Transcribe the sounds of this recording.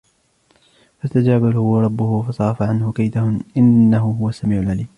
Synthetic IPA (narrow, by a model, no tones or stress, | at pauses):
fast̪ad͡ʒaːbalhʊwɾˤɑbːʊhʊfɑsˤɑːˤɑfaʕanhʊkajd̪ahʊʔɪnːaɦʊɦʊwasːamiːʕʊlʕaliːm